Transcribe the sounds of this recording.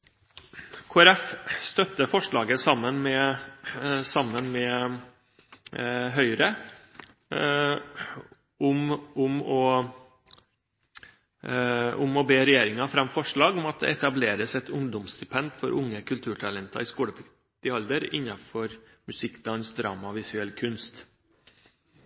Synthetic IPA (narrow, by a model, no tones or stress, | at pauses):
kʰoːæɾɛfst̪œt̪ːəfɔʂɭɑːɡəsɑmːənmɛ | sɑmːənmɛ | ɦœʏɾə | ʊmʊmɔ | ʊmɔbeːɾɛjeːɾɪŋɑfɾɑmfɔʂɭɑːɡʊmɑt̪̚d̪ɛ̰ɛt̪ɑbleːɾəsɛt̪ʊŋd̪ʊmst̪ɪpʰɛnd̪fɔɾʔʊŋːəkʰʉlt̪ʰʉːʈʰɑlɛnt̪ʰɑ̰ɾɪskuːɽəpʰ | t̪ɪɑld̪əɾɪ̰nːɑfɔɾ | mʉsɪkːd̪ɑnsd̪ɾɑ̰ːmɑʋɪsʉɛlkʰʉnst̪